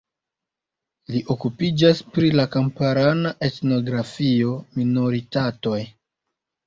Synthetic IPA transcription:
liʔo̞kupid͡ʒaspɾilakampaɾanaʔe̞tno̞ɡɾafio̞mino̞ɾitato̞j

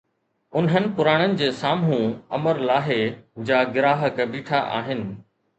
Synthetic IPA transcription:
ʊnɦənɪ̆pʊɾaːɽ̃ənɪ̆d͡ʑeːsaːmɦũɐ̰məɾlaːɦed͡ʑaːɡɪɾaːɦəkbiːʈʰaʔa̰ːɦɪnɪ̆

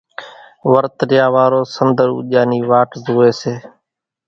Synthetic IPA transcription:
ʋəɾt̪ɾjaːʋaːɾoːsənd̪əɾṵːʄaːniːʋaːʈzuːeːseː

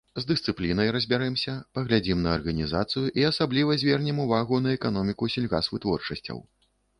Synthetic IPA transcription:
zd̪ɨst̪sɨplʲinɐjɾɐzʲbʲaɾɛmsʲɐpɐɣlʲad͡zʲimnɐːrɣɐnʲizat̪sɨjuʔiasablʲivɐzʲvʲɛrnʲimuvaɣunɐɛkanɔmʲikusʲilʲɣa̰svɨt̪vɔrt͡ʂɐsʲt͡sʲɐ̰w

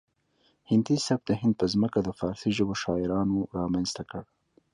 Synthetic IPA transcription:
hɪnd̪isab̚d̪əɦɪnd̪̚pəzməkad̪əfɑːɾsiʒəboʃɑɪɾɑnoɾɑmanst̪akəɽ

